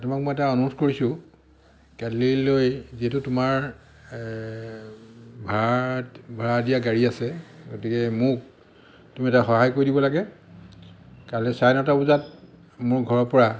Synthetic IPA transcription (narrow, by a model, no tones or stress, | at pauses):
tumak̚mojɛtaɔnuutʰkoɹisʊ | kadlilojziɦɛtʊtʊmaɹ | bʱa | bʱaɹadijaɡaɹiasɛɡotikɛmʊk̚ | tumiɛtaxɔɦajkoɹidibɔlaɡɛ | kaɹlɛsajnɔtabuzat̚ | mʊɹɡʱɔɹɔɹpɔɹa